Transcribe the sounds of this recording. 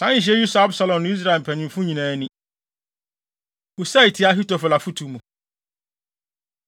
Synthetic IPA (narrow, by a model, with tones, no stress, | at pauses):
sã˦˨ɕ̬ɛ˦ju˦sa˦bsa˨lɔ̃˨nʊ̃˦i˦s̬ɾa˦˨e˨m̩˨pʰɛ̃˨nɪ̃˨m˦fʊ̃˦ɲĩ˨nã˨˦nĩ˦ | u˨sa˦i˨tʰi˨˦a˦ɦi˦tɔ˨fɔ˨la˨fu˦tʰu˨mũ˨